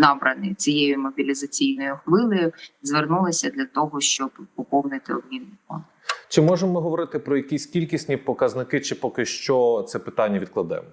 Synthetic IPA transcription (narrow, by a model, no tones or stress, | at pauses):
nɑbɾɐnɪ̰t͡sʲijejʊmɔbʲilʲizɐt͡sʲijnɔjʊxʋɪlˠɪjʊzʋernulˠɪsʲɐd̪lʲɐt̪ɔɦɔʃt͡ʃɔbɔpɔwnɪt̪ɪɔ̰bmʲinːɪɔ̰ | t͡ʃɪmɔʒemɔmɪɦɔʋɔɾɪt̪ɪpɾɔjɐkʲisʲkʲilʲkʲisʲnʲipɔkɐznɪkɪt͡ʃɪpɔkɪʃt͡ʃɔt̪sɛpɪt̪ɑnʲːɐʋʲid̪̚klˠɐd̪ɛ̰m